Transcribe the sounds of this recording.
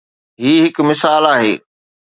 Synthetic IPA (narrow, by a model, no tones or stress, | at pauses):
ɦiːɦɪkmɪsaːlaːɦḛː